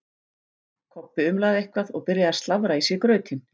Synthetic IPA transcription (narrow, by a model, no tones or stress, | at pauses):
kʰɔpːɪʏmlaːðɪehkvaðɔɣpɪɾjaast̪lavɾaisjɛkɾœːɥt̪ʰɪn